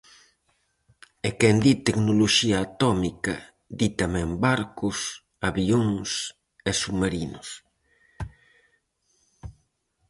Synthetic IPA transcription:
ekɛnd̪it̪eknoloʃiɐːt̪ɔmikɐ | d̪it̪amɛ̃mbaɾkʊs | aβioŋs | esumaɾinʊs

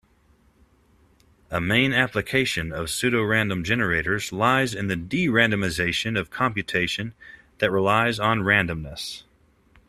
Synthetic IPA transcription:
əmẽɪ̃næplɨkʰeɪʃɨ̃nʌv̥sʉɾoʊɹæ̃ndə̃md͡ʒɛnə˞eɪɾə˞zlaɪzɨ̃nðɨdiɹæ̃ndɨmɨzeɪʃɨ̃nʌv̥kʰɑ̃mpjɨtʰeɪʃɨ̃n | ðɨt̚ɹilaɪzn̩ɹæ̃ndɨ̃mnɨs

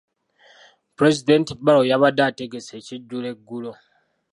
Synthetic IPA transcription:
pɾezidentibalojaβadateɡeseːciɟːule̞ɡːulo

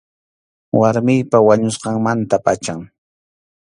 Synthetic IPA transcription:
waɾmɪjpawaɲʊsqɑŋmant̪apʼa̰t͡ʃaŋ

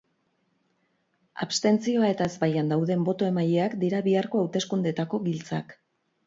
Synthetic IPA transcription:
a̰βst̪e̞nt͡sio̞ae̞t̪ae̞zbajand̪awðe̞mbo̞t̪o̞e̞maʎe̞akd̪iɾaβiaɾko̞awt̪e̞skund̪e̞t̪ako̞βilt͡sak

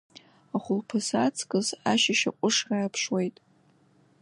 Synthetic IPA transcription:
aχʷʊlpʰɨsat͡sʰkʼɨzaʃaʃa̰qʷʼʊʂraːapʰʂwe̞jtʼ

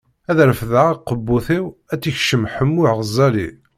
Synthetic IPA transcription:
æðɾfðaʁqəbːuθiwæt͡sːiçʃəmħəmːʊʕʁəzˤːɑli

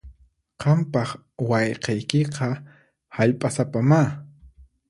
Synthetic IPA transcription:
qɑmpɑχ | wɑjqejkɪqʰɑ | haʎpʼasapama

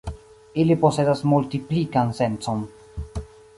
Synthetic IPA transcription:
iliposed̪asmult̪iplikansent̪son

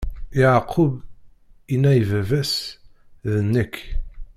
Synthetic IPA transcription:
jaʕqʰːʊb | inːæivævæs | ðənːək

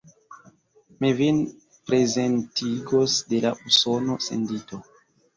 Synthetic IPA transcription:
mivin | pɾe̞zentiɡo̞sde̞la̰ʔuso̞no̞sḛndito̞

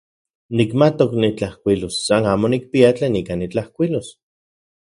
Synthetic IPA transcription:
nikmat̪oknit͡ɬahkʷilosːanaːmonik̚piat͡ɬeːnikanit͡ɬahkʷilos

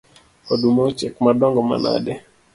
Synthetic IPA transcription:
odumɔt͡ʃɛkmadɔŋɡɔma̰na̰dɛ

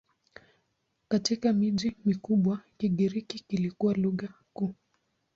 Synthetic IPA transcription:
katikamiʄimikuɓwakiɠiɾikikilikuwaluɣa | kuː

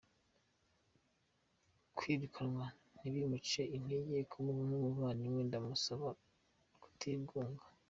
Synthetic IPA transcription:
kwidikʰanwa | niβimut͡ʃeʔin̥eɟekʰumuβumumumaːniwendamusaβa | ku̥tʰiːŋɡuːŋɡḁ

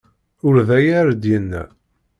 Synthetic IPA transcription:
ʊɾðæjæɾd̪jənːæ̰

